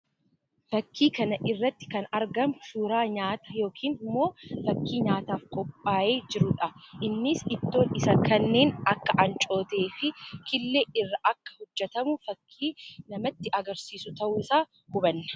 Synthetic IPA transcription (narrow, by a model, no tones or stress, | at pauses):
fɐkːiːkɐnɐʔɪrːɐt̪ːɪ̥kɐnɐɾɡɐmʃuːɾaːɲaːt̪ɐ̥jo̞ːkʰiːnmːo̞ːfɐkːiːɲaːt̪aːfkɔpʼːaːʔeːd͡ʒɪɾʊᶑɐʔɪnːɪsɪt̪ːo̞ːnɪsɐkɐnːeːnɐkːɐʔɐnt͡ʃʼo̞ːt̪e̞ːfɪkʰɪlːeːʔɪrːɐʔɐkːɐ̥hʊd͡ʒːɛt̪ɐmʊfɐkʰːiːnɐmɐt̪ːɪʔɐɡɐɾsiːsʊt̪ɐʔuːsaː | hʊbɐnːɐ̥